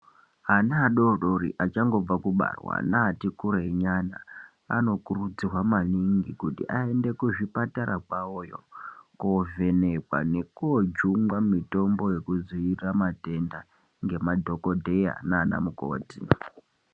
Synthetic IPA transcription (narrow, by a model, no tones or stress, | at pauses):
anaːɗo̞ɗo̞ɾḭʔat͡ʃaŋɡo̞b͡vakuɓa̰rwa̰naːtikuɾeeɲana | a̰no̞kurud͡zirwamaniŋɡikutiʔae̞nde̞kuʐipataɾakwaojo̰kove̞ne̞kwa̰ne̞kuod͡ʒuŋɡwamito̞mbo̞je̞kuziiramate̞nda | ŋɡe̞madʱo̞kodʱe̞ja̰naːna̰muko̰ːti